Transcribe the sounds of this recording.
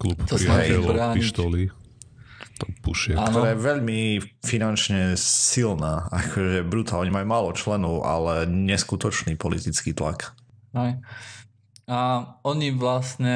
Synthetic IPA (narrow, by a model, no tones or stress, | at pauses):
klupt̪ɾiɛɛlɾaːɲpiʃit̪ɔli | t̪ɔpṵʃɪɛk̪ɔɾaːjɛʋɛʎmifinant͡ʃɲɛsilnaːakʰɔʒɛbɾut̪aːlɲɛmajumaːlɔt͡ʃlɛnɔʊʔa̰lɛɲɛskut̪ɔt͡ʃniːpɔlit̪it͡skiːt̪la̰kɦɛj | aɔɲiʋlasɲɛ